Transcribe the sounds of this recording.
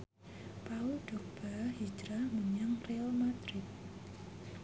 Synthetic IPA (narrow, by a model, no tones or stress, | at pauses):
paulɖ̪̥ɔ̤kb̥ahid͡ʒɾaməɲaŋreɔlmad̪ɾɪt̪̚